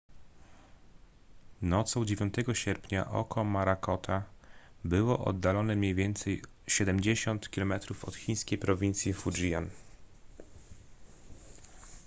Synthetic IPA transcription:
nɔt̪sɔ̃w̃d͡ʑevʲjɔ̃nt̪ɛɡɔɕɛɾpʲɲa̰ʔɔ̰kʰɔmaɾakɔt̪ʰabɘwɔʔɔ̰d̪ːalɔnɛmɲejvʲjɛnt̪sɛj | ɕɛd̪ɛmd͡ʑeɕɔnt̪kʲilɔmɛt̪ɾufɔ̰t̪xʲij̃skʲejpɾɔvʲint̪sʲjifud͡ʐija̰n

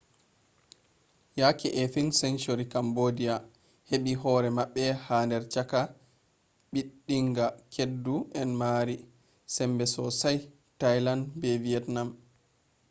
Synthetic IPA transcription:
jakiʔɛfinsɛnt͡ʃoɾikambodia | heɓiɦɔɾɛmaɓːɛhaːndɛɾt͡ʃaka | ɓiɗːiŋɡakʰedːuʔɛnmaːɾi | sɛmbɛsɔsaj | tajlandbɛviɛtnam

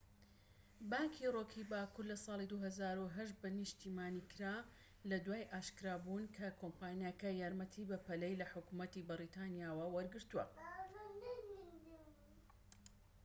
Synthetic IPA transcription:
baːŋkʰiroːkʰibaːkuɾlɐsɑːlˠid̪uɦɐzaːɾuɦɐʃbɐnɨʃt̪iːmaːnikʰɨɾa | lɐd̪waːjʔaːʃkɨɾaːbunkʰɐkʰompaːnjakɐjaːɾmɐt̪ʰibɐpɐlɛjlɐħʊkumɐt̪ibɨɾit̪ʰɑnjaːwɐwɐɾɡɨɾt̪uwɐ̰

